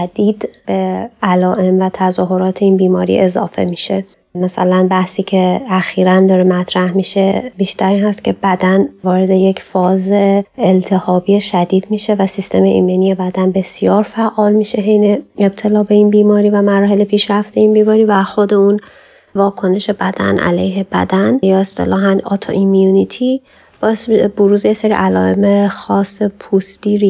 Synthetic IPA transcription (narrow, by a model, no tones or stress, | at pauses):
æd̪̥iːd̪b̥e̞ʔælɒːʔe̞mvæt̪ʰæzɒːɦo̞ɾɒːt̪ʰe̞iːnbiːmɒːɾḭʔe̞zɒ̰ːfe̞̰miːʃe̞ | mæsælænbæhsiːcʰeæxiːɾænd̪ɒːɾemæt̪ʰɾæhmiʃe̞biːʃt̪ʰæɾiːnhæst̪cʰe̞bæd̪ænvɒːɾe̞d̪e̞jecʰfɒːzeeelt̪ʰe̞hɒːbijeʃæd̪iːd̪̥̚miːʃe̞væsist̪ʰe̞meʔḭmenije̞bæd̪ænbe̞sijɒːɾfæʔɒːlmiːʃe̞ɦejneeb̥̚t̪ʰe̞lɒːbe̞iːnbiːmɒːɾiːvæmæɾɒːɦe̞lepʰiːʃɾæft̪eiːnbiːmɒːɾiːvæxo̞d̪e̞un | vɒːkʰo̞ne̞ʃe̞bæd̪̥æ̰nʔæ̰lḛjɦebæ̰d̪ænjɒːe̞st̪ḛlɒːɦænɒ̰t̪ʰo̰ʔimjunit̪ʰi | b̥ɒːesboɾuːzejeseɾḭʔælɒ̰ːḛmexɒːsepʰust̪iːɾi